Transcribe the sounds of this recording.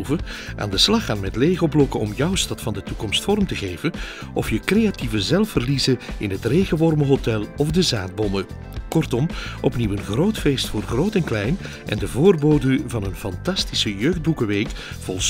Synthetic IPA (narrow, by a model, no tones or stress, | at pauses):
vəʔa̰ːndəslɑχaːnmɛtleːjɣəɔplɔkəɔmjœwstɑtfɑndətukɔmstfɔrmtəɣeːjvən | ɔfjəkrejativəzɛlˠfərlizəɪnɦətrejɣəʋɔrməɦotɛlˠɔvdəzaːd̚bɔmə | kɔrtɔmʔɔpniwənɣroːtfeːstfʊːrχroːtɛnklɛjn | ʔɛ̰ndəvoːrboːdəvɑnənfɑntɑstisəjøːɣd̚bukəʋeːk | fɔlˠs